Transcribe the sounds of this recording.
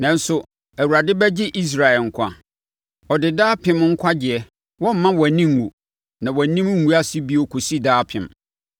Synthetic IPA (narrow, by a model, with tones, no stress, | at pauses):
nã˨n̩˦sʊ˨ | æ˨wu˨ɾa˨dɪ˦bɛ˦d͡ʑɪ˦ʔi˦s̬ɾa˨ɛ˨ŋ̩˨kʷʰa˦ | ɔ˨dɪ˨daː˦pʰɪ̃˦m˦ŋ̩˦kʷʰa˦d͡ʑɪ˨ɛ˦ | wɔ̃˦m̩˨mːã˦wɔ˨æ˨nĩ˦ŋ˨ŋṵ˨ | nã˨wɔ˨nĩ˦m˦ŋ̩ː˨˦u˦a˦si˦bi˦ɔ˦kʰo˨si˦daː˦pʰɪ̰̃˨m